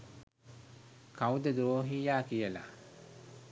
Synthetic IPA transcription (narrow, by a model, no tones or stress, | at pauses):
kawud̪əd̪oːɦiːjaːkijəla̰